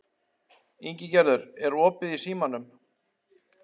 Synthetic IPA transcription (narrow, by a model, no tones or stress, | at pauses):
iɲcɪcɛɾðʏɾɛɾɔːpɪðisiːmanːʏm